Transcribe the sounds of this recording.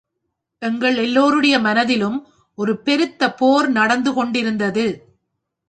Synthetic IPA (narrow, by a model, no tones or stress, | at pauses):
ʔɛŋɡɐɭɛlːoːɾɯɽɐjɐmɐnɐðɪlɯm | ʔɔɾɯpɛɾɯt̪ːɐpoːɾnɐɽɐnd̪ɯkɔɳɖɪɾɯnd̪ɐðɯ